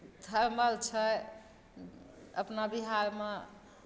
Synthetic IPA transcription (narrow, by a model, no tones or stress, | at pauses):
t̪ʰəɾməlt͡ʃʰə | ə̰pnabiɦaɾme